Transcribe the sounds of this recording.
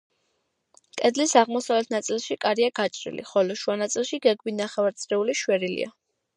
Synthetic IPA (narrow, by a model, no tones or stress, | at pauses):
kʼɛd̪lisaʁmɔsavlɛt̪ʰnat̪sʼilˠʃikʼaɾiaɡat͡ʃʼɾḭlḭχɔlɔʃuanat̪sʼilˠʃiɡɛɡbinaχɛvaɾt̪sʰʼɾɛuliʃwɛɾilḭa̰